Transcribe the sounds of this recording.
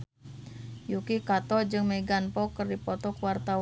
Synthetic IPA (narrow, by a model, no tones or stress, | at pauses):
jukikat̪ɔd͡ʒɨŋmɛɡanpɔkɨrdipɔt̪ɔkuwart̪a